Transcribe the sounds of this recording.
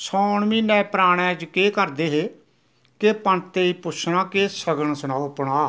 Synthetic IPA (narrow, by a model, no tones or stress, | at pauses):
sɔːɳmiːnɛ̃ːpɾaːɽ̃ɛ̃ːd͡ʒkeːkəɾd̪eːɦeː | kepəɳt̪eːiːpʊʃʰnãːkeːsəɡəɳsənaːopəɽ̃aː